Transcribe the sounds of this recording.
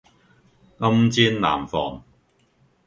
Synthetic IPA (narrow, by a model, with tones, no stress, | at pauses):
ŋɐ˥mt͡siː˥nla̰ː˨˩mfɔ̰ː˨˩ŋ